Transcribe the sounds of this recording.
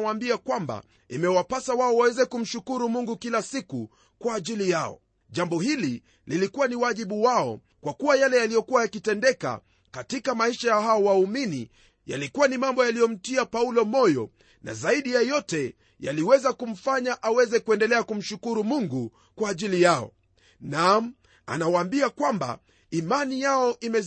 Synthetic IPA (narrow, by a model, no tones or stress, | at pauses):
waːmbiakwamba̰ | imɛwapasawaɔwawɛzɛkum̩ʃukuɾumuŋɡukilasiku | kwaːʄilijaɔ̰ | ʄambɔhili | lilikuwaniwaʄiɓuwaɔ̰ | kwakuwajalɛjalijɔkuwajakitɛndɛka̰ | katikamaiʃajahaɔwauminḭ | ja̰likuwanimambɔjalijɔm̩tiapaulɔmɔjɔ̰ | na̰zaiɗijajɔtɛ | ja̰liwɛzakum̩faɲaʔawɛzɛkuɛndɛlɛakum̩ʃukuɾumuŋɡu | kwaːʄilijaɔ̰ | nam̩ | a̰nawaːmbiakwamba̰ | imanijaɔʔimɛ